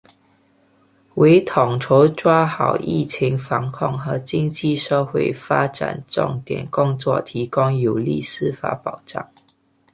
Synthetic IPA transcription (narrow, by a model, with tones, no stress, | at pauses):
we˧˥ɪt̪ʰʊ˨˩ŋʈ͡ʂʰo˧˥ʊʈ͡ʂwa˥xɑ˨˩ʊʔḭ˥˩t͡ɕʰi˧˥ŋfɑ˧˥ŋkʰʊ˥˩ŋxɤ˧˥t͡ɕi˥ŋt͡ɕi˥˨ʂə˥˧xwe˥˩ɪfa˥ʈ͡ʂa̰˨˩nʈ͡ʂʊ̰˥˩ŋt̪jɛ̰˨˩nkʊ˥ŋt͡swɔ̰˥˨t̪ʰi˧˥kʊ˥ŋjo˨˩ʊlḭ˥˩˨sɹ̩˥fa̰˧˥pɑ˨˩ʊʈ͡ʂɑ̰˥˩ŋ